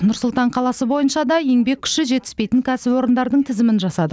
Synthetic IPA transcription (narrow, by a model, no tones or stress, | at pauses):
nʊɾsʊlˠt̪ɑɴqʰɑlˠɑsəbo̞jənʃɑd̪ɑje̞ŋbe̞kkʲːʰʏ̥ʃɪʒe̞t̪ɪ̥spe̞jt̪ɪŋkʲʰæsɪpwo̞ɾənd̪ɑɾd̪əɴt̪ʰɪzɪmɪnʒɑsɑd̪ə